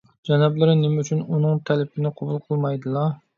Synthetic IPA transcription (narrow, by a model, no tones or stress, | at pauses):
d͡ʒɛnɑblˠɨɾɪnɪmyt͡ʃʰynunɨŋt̪ʰɛlɪpʰɪnɪqʰobulˠqʰəlˠmɑjd̪ɨlˠɑ